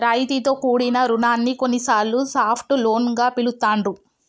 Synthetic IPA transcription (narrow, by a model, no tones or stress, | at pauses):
ɾajt̪it̪o̞ːkuːɽinɐɾunaːnːikonːisaːɾːusaːpʰʈuloːnɡaːpilut̪aːɳɖu